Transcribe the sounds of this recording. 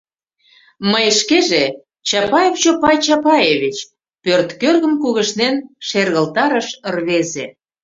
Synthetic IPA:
məjʃkeʒe | t͡ɕɑpɑjeft͡ɕopɑjt͡ɕɑpɑjeβit͡ɕ | pørt̪kørɣə̆mkuɣəʃnenʃerɣəlt̪ɑɾəʃərβeze

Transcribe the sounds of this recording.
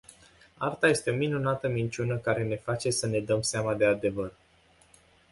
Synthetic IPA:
art̪aje̞st̪e̞o̞minunat̪əmint͡ʃunəkaɾe̞ne̞fat͡ʃe̞səne̞d̪əmseamad̪e̞ad̪e̞vər

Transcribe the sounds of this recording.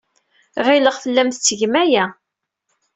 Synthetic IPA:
ʁɪləʁfəlːæmθt͡sːəʝmæjæ

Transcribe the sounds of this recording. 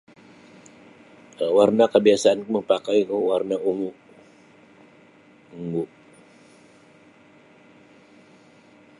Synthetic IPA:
warnakəbiasaankuməŋpakaikəwarnauŋu | uŋɡuʔ

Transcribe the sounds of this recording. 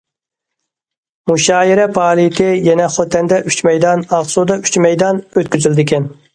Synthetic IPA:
muʃɑːjiɾɛpʰɑːlˠit̪ʰɪjɛnɛχot̪ʰɛnd̪ɛʔyt͡ʃmɛjd̪ɑnɑʁsud̪ɑyt͡ʃmɛjd̪ɑnøt̪kʲyzyld̪ɪkʲʰɛn

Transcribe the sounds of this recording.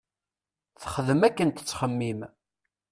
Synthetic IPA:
θχəðəmækːənt̪ə̥t͡sːχəmːim

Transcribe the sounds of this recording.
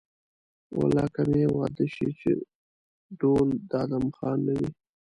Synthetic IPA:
wa̰lɑkamewɑd̪əʃit͡ʃḛ | ɖ̪old̪ɑd̪amxɑnːawi

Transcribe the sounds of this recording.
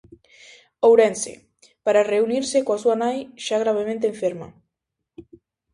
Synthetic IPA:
owɾensḛ | paɾareuniɾsɪkoasuanajʃaɣɾaβ̞emẽnt̪̬ẽːɱfeɾmɐ̰

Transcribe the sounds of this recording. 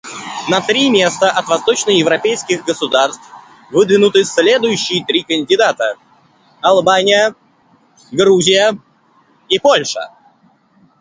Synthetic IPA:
nɐt̪ɾʲimʲe̞st̪əʔɐt̪vɐst̪o̞t͡ɕnəjɪvɾɐpʲejskʲɪɣɡəsʊd̪arst̪f | vɨd̪vʲɪnʊt̪ɨsʲlʲe̞d̪ʊjʉɕːɪjt̪ɾʲikənʲdʲɪd̪at̪ə | ɐlˠbanʲɪjə | ɡɾuzʲɪjə | ipo̞lʲʂə̰

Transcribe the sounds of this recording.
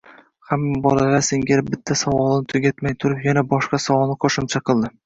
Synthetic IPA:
hamːabɒlˠalaseŋɡʲaɾbɪt̪ʰːasavɒlˠɪnɪt̪ʰʊɡʲat̪majt̪ʰʊɾɪpjanabɒʃqɑsɒwɒlˠnɪqʰoʃɪmt͡ʃʰaqʰɨlˠd̪ɪ

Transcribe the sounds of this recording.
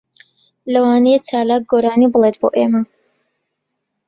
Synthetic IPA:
ləwaːnijɛt͡saːlaːk̚ɡoɾaːniblˠet̪bo̰ʔeːma

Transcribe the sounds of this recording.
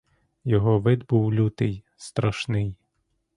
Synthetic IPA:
jɔɦɔʋɪd̪buwlʲut̪ɪj | st̪ɾɔʃnɪj

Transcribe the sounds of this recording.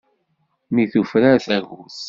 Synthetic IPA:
miθufɾaɾθæɣuθ

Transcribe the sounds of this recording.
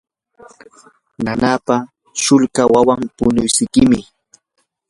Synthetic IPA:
nanapa | ʃʊlkawawampʊnʊjsɪkɪmɪ

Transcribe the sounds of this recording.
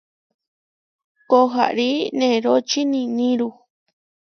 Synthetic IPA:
koɦa̰ʔɾinẽɾot͡ʃinĩnĩɾu

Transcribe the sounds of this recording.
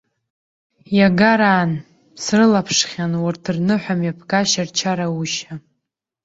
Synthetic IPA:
jaɡaɾaːn | srɨlapʰʂχʲanwʊrtʰrnɨħʷᶣamjapʰkʼaʃart͡ʃʰaɾauʃa

